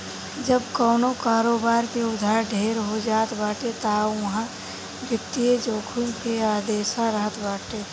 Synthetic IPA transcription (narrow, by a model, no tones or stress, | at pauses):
d͡ʒəbkɔːnokaːɾoːbaːɾkeʊd̪ʱaːɾɖʱeːɾɦod͡ʒaːt̪baːʈet̪aːɐɦã | bjɐk̚t̪ied͡ʒoːkʰunkeaːd̪eːʃaɾəɦət̪ʰbaːʈe